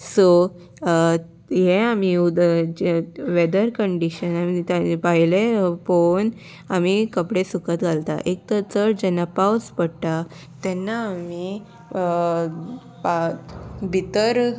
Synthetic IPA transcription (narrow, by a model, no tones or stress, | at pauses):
so | jeamiud̪ə | ʋed̪əɾkəɳɖiɕənamit̪apaɦilepon | amikəpɽesukət̪ɡʱalt̪a̰ʔek̚t̪ət͡səʈd͡ʑɛnːapawspəɽʈ̪a | t̪ɛnːaːmi | p | bʱit̪əɾ